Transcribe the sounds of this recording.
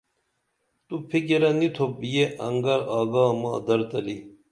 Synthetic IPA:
t̪upʰikeɾɐnit̪ʰobjeʔɐ̰ŋɡɐɾaːɡaːmaːd̪ɐɾt̪ɐli

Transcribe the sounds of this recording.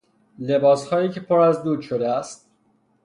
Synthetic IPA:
le̞bɒːshɒːjiːcʰe̞pʰoɾæzd̪uːd̪ʃod̪eæst̪̚

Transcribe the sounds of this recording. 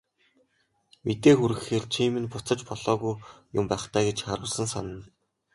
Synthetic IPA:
met̪eːxuɾɘ̆xeːrt͡ɕʰiːmɘ̆npʊt͡sə̆t͡ɕpɔɮɔːɣujjʊmpæːχt̪ʰæːɡet͡ɕχaɾʊːɮsə̆nsanə̆n

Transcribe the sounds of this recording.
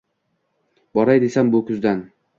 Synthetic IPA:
bɒɾajd̪e̞sambʊkʰʊzd̪an

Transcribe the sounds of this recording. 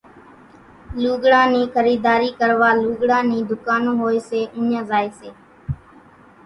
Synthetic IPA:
luːɡɽãːnĩːkʰəɾiːd̪aːɾiːkəɾʋaːluːɡɽãːnĩːd̪ʊkaːnõːɦoːeːseːʔʊɲãːzaːiːseː

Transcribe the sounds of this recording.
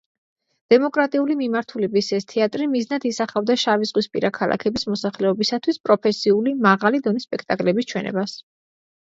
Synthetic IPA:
d̪̥ɛmɔkʼɾat̪ʼiulimimaɾt̪ʰulɛbisɛst̪ʰɛat̪ʼɾimiznad̪isaχavd̪aʃavizʁwispʼḭɾakʰalˠʔa̰kʰɛbismɔsaχlɛɔbisat̪ʰwispʼɾɔpʰɛsiulimaʁalid̪ɔnispʼɛkʰt̪ʼakʼlɛbist͡ʃʰwɛnɛ̰bas

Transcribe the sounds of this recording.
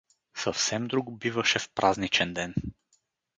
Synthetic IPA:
səfsɛmd̪ɾuɡbivəʃɛfpɾʔaznit͡ʃɛnd̪ɛn

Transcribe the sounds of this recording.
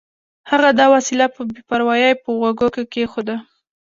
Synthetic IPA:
haɣad̪ɑwasilapəbepaɾwɑjɑjpəɣwaɡokekexod̪a

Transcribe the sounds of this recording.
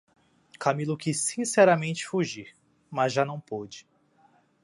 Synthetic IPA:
kʰamilʊkisːĩsɛɾɐmẽnt͡ʃɪ̥fuʒiɾ | mɐzʒanɐ̃w̃pod͡ʒɪ̥

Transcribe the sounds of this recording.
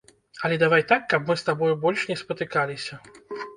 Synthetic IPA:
ɐlʲɛd̪avajt̪akːɐpmɨst̪abɔjubɔlʲʂnʲɛspɐt̪ɨkalʲisʲɐ

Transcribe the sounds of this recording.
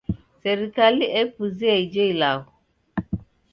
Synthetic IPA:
sɛɾikaliʔɛpuziaid͡ʒɔilakɔ

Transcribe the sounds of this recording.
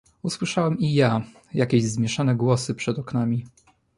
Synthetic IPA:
uswɘʂawɛmija | jakʲeʑzmʲjɛʂanɛɡwɔsɘpʂɛd̪ɔknamʲi

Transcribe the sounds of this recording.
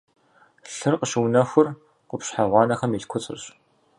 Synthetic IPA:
ɬɨrqəɕɪwnɐxʷʊr | qʷʊpɕħaʁʷɑːnɐχɐmiːɬkʷʰʊt͡sʼɨ̰rɕ

